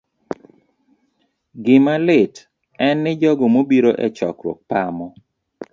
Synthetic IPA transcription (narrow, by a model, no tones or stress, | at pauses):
ɡɪmalɪt | ɛnːɪd͡ʒɔɡomobiɾoʔɛt͡ʃɔ̰kɾwɔ̰k̚pamɔ